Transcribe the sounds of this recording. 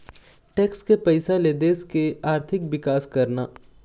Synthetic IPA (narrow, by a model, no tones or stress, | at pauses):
ʈɛːkskepɐɪsaled̪eːskeaːɾt̪ʰɪk̚bɪkaːskɐɾnaː